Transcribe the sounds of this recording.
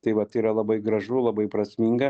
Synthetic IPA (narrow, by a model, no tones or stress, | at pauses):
t̪ɐɪʋɐt̪iɾɐlˠɐbɐɪɡɾɐʒʊlˠɐbɐɪpɾɐsʲmʲiːŋɡɐ